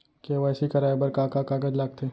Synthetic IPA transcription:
keʋaːsikɐɾaːebɐɾkaːkakaːɡəd͡ʒlaːɡt̪ʰeː

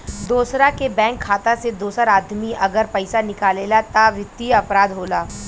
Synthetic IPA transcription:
d̪oːsɾakebɛ̃ːŋkʰːaːt̪ased̪oːsəɾaːd̪miʔɐɡəɾpɐɪsanɪkaːleːlat̪aʋɪt̪ːiɐpɾaːd̪ɦoːlaː

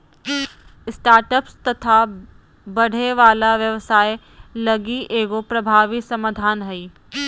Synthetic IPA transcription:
ɪsʈaːɾʈəpst̪ɐt̪ʰa | bɐɽ̤ʱeʋaːlaʋjɐʋsaːe | lɐɡiʔeːɡopɾɐbʱaːʋisɐmaːd̪ʱaːnɦɐiː

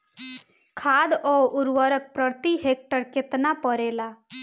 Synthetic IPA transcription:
kʰaːd̪ɔːʊɾwəɾək̚pɾəɾt̪iɦeːk̚ʈəɾkɪt̪napəɾeːlaː

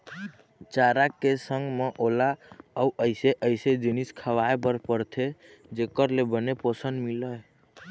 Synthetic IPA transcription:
t͡ʃaɾakesəŋɡmeʔolaəuəjseʔəɪsed͡ʒiniskʰəʋaebəɾpəɾt̪ʰed͡ʒekəɾlebənepəsənmiləe

